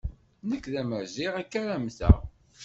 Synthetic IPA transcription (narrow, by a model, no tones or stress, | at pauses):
nəkːðæməɾziʁækːaɾæmθæ̰